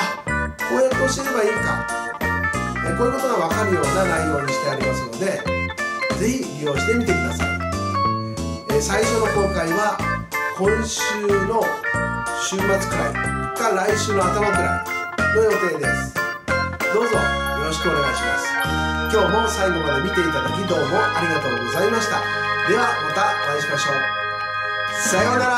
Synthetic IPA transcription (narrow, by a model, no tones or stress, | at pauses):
koːekoːɕi̥t̪eɾe̞baiːka̰ | ekoːɯ̟ko̞t̪o̞ɡaβ̞akaɾɯjo̞ːanaijo̞ːɲ̟iɕi̥t̪e̞aɾʲimasɨno̞d̪e̞ | d͡ze̞çimʲio̞ɕi̥t̪e̞mʲit̪e̞kʲid̪asa̰i | esaiɕo̞no̞ko̞ːkaiβakõ̞ɰ̃ɕɨːno̞ | ɕɨːmat͡sɨ̥kɯɾaikaɾaiɕɨːno̞at̪amakɯ̟ɾa̰ | no̞jo̞t̪e̞ːd̪e̞sɨ̥ | d̪o̞ːzo̞a | jo̞ɾo̞ɕi̥kɯo̞ne̞ɡaiɕimasɨ̥kʲo̞ːmo̞saiɡo̞mad̪e̞mʲit̪e̞it̪ad̪akʲid̪o̞ːmo̞ʔaɾʲiɡat̪o̞ːɡo̞zaimaɕi̥t̪a̰ | d̪e̞βamat̪aoɾãɲ̃ɕimaɕo̞ː | saβanaɾa